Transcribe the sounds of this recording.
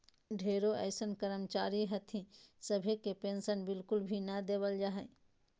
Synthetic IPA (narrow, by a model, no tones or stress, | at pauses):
ɖʱeɾoəɪsənkəɾəmt͡ʃaɾiɦət̪ʰĩsəbʱekepensənbɪlkulbʱinəd̪ebəld͡ʒaɦəɪ